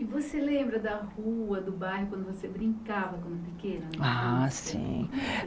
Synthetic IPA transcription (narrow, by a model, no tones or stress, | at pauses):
ɪvoselẽmbɾɐd̪ɐhuɐd̪ʊbajhʊkwɐ̃nd̪ʊvosebɾĩŋkavɐkõʊpikẽnɐ̃asḭ̃